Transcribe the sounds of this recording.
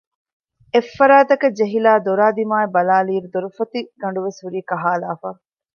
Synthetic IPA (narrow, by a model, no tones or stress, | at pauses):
efːɐɾaːt̪ɐkɐd͡ʒeɦilaːd̪oɾaːd̪imaːebɐlaːliːɾud̪oɾufɐt̪iɡɐɳɖuʋesɦuɾiːkɐɦaːlaːfaː